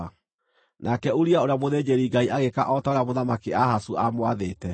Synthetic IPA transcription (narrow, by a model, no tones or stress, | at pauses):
nʔakɛuɾiaoɾeamoðeːd͡ʑeɾiːɡaiaɣeka̰ʔɔtaɾamoðamakeahasuamwaðeːtɛ